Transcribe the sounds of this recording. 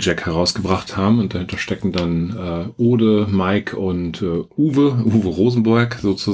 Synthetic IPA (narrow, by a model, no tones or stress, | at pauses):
d͡ʒɛkhɛʁ̞aʊsɡ̥əbʁaχthaːbm̩ʊnt̚d̥ahɪntɐʃtɛkŋ̩danʔɛːʔoːdəmaɪkʰʊntɛːʔuːvəʔuːvəʁoːzn̩bʊɐkz̥oːt͡su